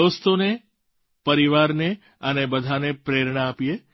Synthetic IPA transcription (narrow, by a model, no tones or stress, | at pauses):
ost̪one | pəɾiʋaɾne | ənebəd̪ʱanepɾeɾɳ̃aːpije